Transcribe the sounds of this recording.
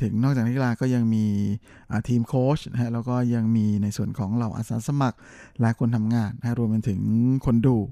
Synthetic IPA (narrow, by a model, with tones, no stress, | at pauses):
t̪ʰɯ˩˦ŋnɔː˥˩k̚a˨˩t̪ʰi˥˩laː˧kɔː˥˩ja˧ŋmiː˧ | ʔaː˨˩t̪ʰiː˧mkʰoː˦˥t͡ɕna˦˥kʰa˦˥lɛː˦˥wkɔː˥˩ja˧ŋmiː˧na˧jsu˨˩ənkʰɔː˩˦ŋɾa˧˩wʔa̰ː˧˩saː˨˦sa˧ma˨˩k̚ | lɛ˦˥kʰo˧nt̪ʰa˧mŋaː˧nːa˦kʰa˦˥ɾu˧əmpe˧nt̪ʰɯ˩˦ŋkʰo˧nduː˧˩